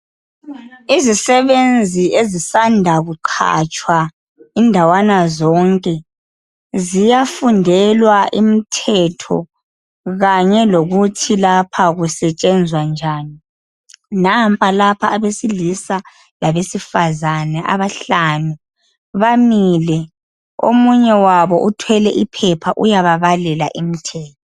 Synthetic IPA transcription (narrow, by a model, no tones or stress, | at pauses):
izisɛβend͡zʱiʔezisandʱaɣuǃʰa̰t͡ʃʼwa | indʱawanazɔŋkʼɛ | zijafundʱɛlwaʔimitʰɛtʰɔ̰ | ɣaɲɛloɣutʰilapʰaɣusɛt͡ʃʼɛnd͡zʱwand͡ʒʱaːni | nampʼalapʰaːβesilisa | laβesifazanɛʔa̰βaɬanu | βamilɛ | o̰muɲɛwaβɔʔutʰwɛlɛʔipʰɛpʰaʔujaβaβalɛla̰ʔimitʰɛːtʰɔ̥